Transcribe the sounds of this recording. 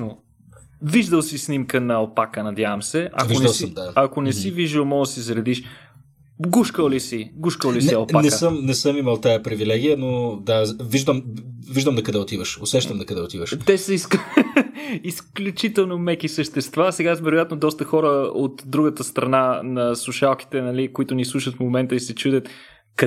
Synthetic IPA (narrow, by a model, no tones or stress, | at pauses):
no | viʒd̪əlˠsisnimkənɐɐlpakənɐd̪javɐmsɛʔɐ̰vioʒnɐlˠsd̪aɐkonɛsiviʒd̪əlˠmɔɡəsizɾɛd̪iʃ | ɡuʃkəlˠlisiɡuʃkəlˠlisiɐlˠpaknɛssəmnɛsəmiməlˠt̪ajəpɾivilɛɡijənod̪aviʒd̪əmviʒd̪əmd̪ɐkɐd̪ɛʊt̪ivəʃosɛʃt̪əmd̪ɐkɐd̪ɛot̪ivəʃt̪ɛsəisk | isklʲut͡ʃit̪ɛlˠnomɛkisəʃt̪ɛst̪vasɛɡavɛɾojat̪nod̪ɔst̪əxɔɾəot̪d̪ɾuɡət̪əst̪ɾɐnanɐslˠuʃalˠk̟i̥t̪ɛnɐlikoit̪ʊnislˠuʃət̪fmomɛnt̪əisɛt͡ʃud̪ət̪ | kɐ